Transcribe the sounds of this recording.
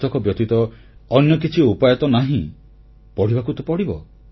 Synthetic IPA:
t̪ʰɔkɔbjɔt̪it̪ɔ | ɔnjɔkit͡ʃʰiupajɔt̪ɔnaɦĩ | pɔɽ̤ibakut̪ɔpɔɽibɔ

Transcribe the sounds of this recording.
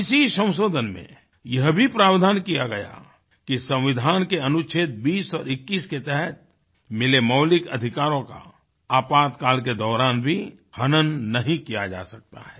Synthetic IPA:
ɪsisə̃w̃soːd̪ʱənmḛ̃ | jɐɦbʱipɾaːʋd̪ʱaːnkijaɡɐja̰ | kisɐ̃w̃ʋɪd̪ʱaːnkeɐnʊt͡ʃʰeːt̪̚biːsɔːɾɪkːiːsket̪ɛɦɛt̪̚ | mɪlemɐʊlɪkɐ̰d̪ʱɪkaːɾõka̰ | aːpaːt̪kaːlk̬ed̪ɔːɾaːnbʱi | hɐnənnɐɦĩkijad͡ʒa̰ːsɐk̚t̪a̰ɦɛː

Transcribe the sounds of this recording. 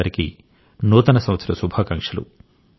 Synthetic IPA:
ɐɾikḭ | nuːt̪ɐnɐsɐ̃mʋɐt̪sɐɾɐsubʱakɐŋkʂɐlṵ

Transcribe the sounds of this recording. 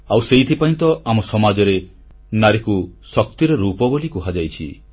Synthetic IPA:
awseit̪ʰipaĩnt̪ɔʔamɔsɔmad͡ʒɔɾe | naɾekusɔk̚t̪iɾeɾupɔbolikuɦad͡ʒajt͡ʃʰḭ

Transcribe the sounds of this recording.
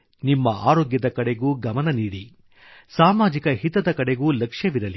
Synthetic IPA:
nimːɐʔaːɾoːɡjɐd̪ɐkɐɽeɡuːɡɐmɐnɐniːɽi | saːmaːd͡ʒikɐɦit̪ɐd̪ɐkɐɽeɡuːlɐkʂjɐʋiɾɐli

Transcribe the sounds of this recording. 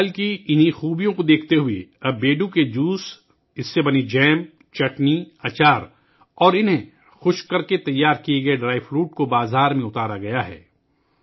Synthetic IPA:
lkiɪnixuːbijõkod̪eːkʰt̪eɦʊḛɐbːeːɖũked͡ʒuːs | ɪsːebɐnid͡ʒɛːm | t͡ʃɐʈniɐt͡ʃaːɾ | ɔːɾɪnɦẽ | xʊʃkɐɾket̪ɐjːaːɾkieɡɐeɖɾaːɪfɾuːʈ̚kobaːzaːɾmẽʊt̪aːɾaɡɐjaɦɛ̰ː

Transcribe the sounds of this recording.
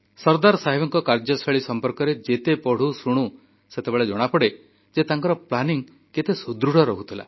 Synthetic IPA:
sɔɾd̪aɾɔsaɦibɔŋkɔkaɾd͡ʒɔsʰaɭisɔmpɔɾkɔɾed͡ʒet̪epɔɽ̤usɾuɽ̃u | set̪ebeɭed͡ʒɔɽ̃apɔɽe | d͡ʒet̪aŋkɔɾɔplaniŋ | ket̪esud̪ɾuɽ̤ɔɾɔɦut̪ʰila̰

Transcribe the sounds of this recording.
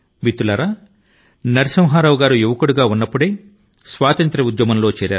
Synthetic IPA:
bit̪ːulɐːɾa | nɐɾisɐmɦaːɾɐʋuɡaːɾujuʋɐkuɽuɡaːunːɐpːuɽeː | sʋaːt̪ɐnt̪ɾɐud̪jɐmɐnlo̞ːt͡ʃɛːɾja̰ːɾ

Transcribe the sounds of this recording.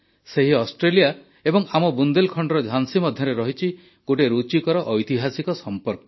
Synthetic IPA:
seɦiɔsʈɾelija | ebɔŋamɔbund̪elkʰɔɳɖɔɾɔd͡ʒʱansimɔd̪ʱjɔɾeɾɔɦit͡ʃʰi | ɡ̥oʈeɾut͡ʃikɔɾɔʔɔjt̪iɦasikɔsɔmpɔɾkɔ

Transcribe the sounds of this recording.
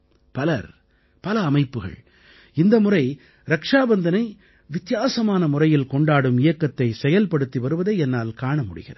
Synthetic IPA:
pɐlɐ̰ɾ | pɐlɐːmɐɪpːɯɣɐ̰ɭ | ɪnd̪ɐmʊrɐɪ | ɾɐkʂaːbɐnd̪ɐnɐɪ | ʋɪt̪jaːsɐmaːnɐmʊrɐjɪlkɔɳɖaːɽɯmɪjɐkːɐt̪ːɐɪsɛjɐlpɐɽɯt̪ːiʋɐɾɯʋɐðeːɛnːaːlkaːɳɐmʊɽɪ̰ɣɪ̰rɐ

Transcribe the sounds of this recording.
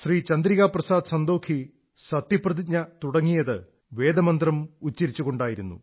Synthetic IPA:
sriːt͡ɕɐnd̪ɾiɣaːprɐsaːd̪sɐnd̪o̞ːkʰi | sɐt̪jɐprɐðiɲɐt̪uɽɐŋːijɐðɨ | ʋe̞ːd̪ɐmɐnd̪rɐmut͡ɕːɐɾit͡ɕːuɣo̞ɳɖaːjiɾunːṵ

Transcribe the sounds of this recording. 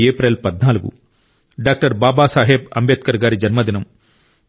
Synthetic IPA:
eːpɾelpɐd̪naːluɡṵ | ɖaːk̚ʈɐɾbaːbaːsaːɦeb̚ɐ̰mbeːt̪̚kɐɾɡaːɾid͡ʒɐnmɐd̪inɐm

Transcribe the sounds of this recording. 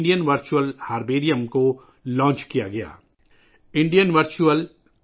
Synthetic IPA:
ɖijənʋɐɾt͡ʃuəlhaːɾbeːɾijəmko | lɔ̃ːɲt͡ʃkijaɡɐja̰ː | ɪ̃ɳɖijənʋɐɾt͡ʃuəl

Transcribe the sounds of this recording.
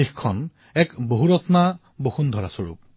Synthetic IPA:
ixkʰːɔn | ɛkboɦuɹɔtna | boxundʱɔɹasoɹṵp̚

